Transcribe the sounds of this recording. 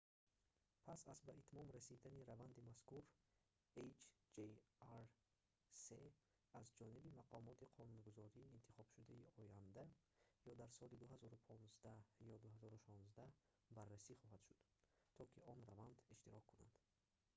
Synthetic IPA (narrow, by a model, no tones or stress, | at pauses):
pʰasasbaʔit̪mɔmɾasid̪aniɾavand̪imaskuɾ | et͡ʃʰd͡ʒeaɾ | se | azd͡ʒɔnibimaqʰɔmɔt̪ʰiqʰɔnunɡuzɔɾiːnt̪ʰi̥χɔb̥ʃud̪aiɔjand̪a | jɔd̪aɾsɔlid̪uɦazɔɾupʰɔnzd̪ajɔd̪uhazɔɾuʃɔnzd̪a | barːasiχɔɦad̪ʃud̪̥ | t̪ʰɔkʰiɔnravand̪iʃt̪iɾɔkʰːuna̰nd̪̥